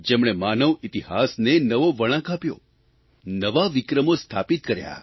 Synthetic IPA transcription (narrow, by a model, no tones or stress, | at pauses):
d͡ʒemɽ̃emanəʋit̪iɦasnenəʋoʋəɽ̃ãkapjo̰ | nəʋaʋɪkɾəmost̪ʰapit̪̚kəɾja̰